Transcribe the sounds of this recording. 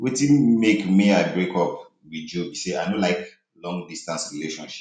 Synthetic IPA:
wetĩnmekmiaɪbɹekɔp | wid͡ʒobiseaɪnolaɪk | lɔ̃ŋɡdistãnsɹileʃɔ̃nʃi̥

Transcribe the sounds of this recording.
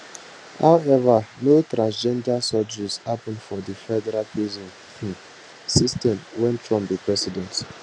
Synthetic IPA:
hawɛvanotɾãnsd͡ʒɛ̃ndasɔd͡ʒishapɔ̃nfɔdifɛdɛɾalpizɔ̃n | sistɛ̃mwɛ̃ntʰɹɔ̃mpbipɹɛsidɛ̃nt

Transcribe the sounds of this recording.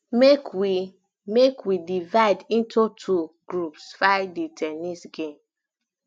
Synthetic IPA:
mekwi | mekwidivaɪdĩntʰutʰuɡɹupsfaɪditʰɛnisɡẽm

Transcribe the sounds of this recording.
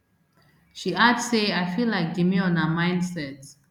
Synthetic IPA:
ʃiadeajfilaɪk̚d͡ʒimiɔ̃nəmãɪj̃ndsɛt

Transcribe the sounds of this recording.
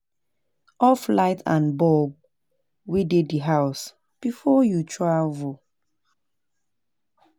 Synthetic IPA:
ɔflaɪtʰã̰nbɔb̚ | wideiɦaʊs | b̥ifɔjutʰɹavo

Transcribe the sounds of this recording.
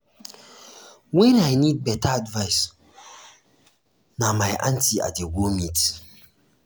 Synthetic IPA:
wɛ̃najnid̚bɛtʰaadvaɪs | namajʔãntia̰tdeɡomit

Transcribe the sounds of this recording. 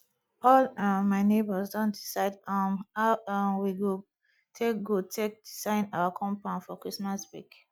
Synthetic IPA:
ɔlmaɪnebəzdɔ̃ndisaɪdamawiɡo | tʰekɡotʰek̚disãɪ̃naakʰɔ̃mpãnfɔkɹismasbḭk

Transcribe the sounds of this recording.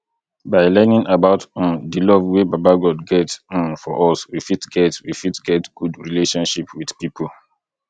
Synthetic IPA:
baɪlɛnĩŋabaʊtɔ̃mdilɔvwebabaɡɔdɡɛtɔ̃mfɔʔɔswifitɡɛtwifitɡɛtɡ̥udɹileʃɔ̃nʃipwid̥pipʰo

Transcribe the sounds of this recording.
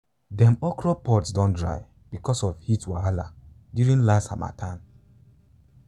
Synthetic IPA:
dɛ̃mɔkɹɔpɔtsdɔ̃ndɹa̰ɪ | b̥ikɔsɔvhitwaala | djuɹĩnlasta̰ma̰tʰãm

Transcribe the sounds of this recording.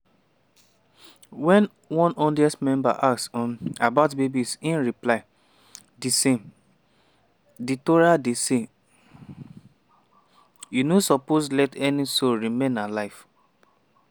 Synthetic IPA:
wɛ̃n | wɔ̃nɔ̃ndiɛstmɛ̃mba̰ʔaksɔ̃nabaʊtbebisĩnɹiplaɪ | disẽm | ditoɹadese | junosɔposlɛtɛnisoɹimẽnalaɪf

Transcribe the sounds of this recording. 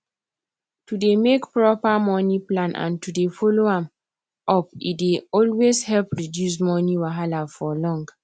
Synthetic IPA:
tudemekpɹɔpamɔniplãnʔã̰ntudefɔloãm | ɔpḭdeɔlweshɛlpɹidjus̬mɔniwaɦalafɔlɔ̃ŋɡ

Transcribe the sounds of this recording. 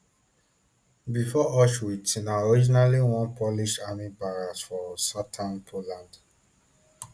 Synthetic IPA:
bifɔɔʃwitʰĩnaɔɹid͡ʒinaliwɔ̃npɔliʃamibaɹasfɔsatʰãnpʰolãnd

